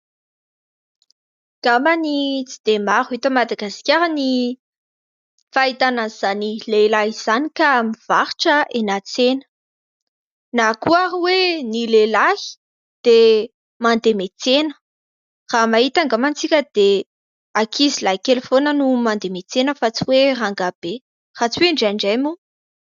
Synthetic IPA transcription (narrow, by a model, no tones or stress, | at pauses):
ŋɡ̥amanit͡sid̪̥emaɾuit̪əmad̪aɡaskʲaɾəni | fait̪ananz̥anilelaɦiz̥anikamiv̥aɾʈ͡ʂəʔenat͡senə̥ | nakuaɦiwenilelaɦi̥ | d̪̥e | mand̪emet͡senə̥ | r̥amaɦit̪aŋɡamant͡sikʲəd̪̥e | akʰizilaɦikelefonənumand̪emet͡senəfat͡siweraŋɡab̥e | rat͡siweɳɖ͡ʐaɳɖ͡ʐejmu